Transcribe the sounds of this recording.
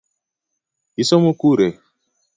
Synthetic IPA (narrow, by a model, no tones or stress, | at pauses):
isomokuɾe